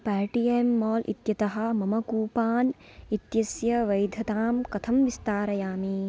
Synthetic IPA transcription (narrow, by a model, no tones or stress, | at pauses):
paːɾʈijemːɔːlʔḭt̪jɐt̪ɐɦɐ̆mɐmɐkuːpaːn | it̪jɐsjɐʋɐjd̪ʱɐt̪aːmkɐt̪ʰɐmʋist̪aːɾɐjaːmiː